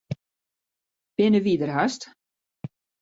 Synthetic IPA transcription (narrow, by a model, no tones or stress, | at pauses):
b̥ɪnəʋidərɦast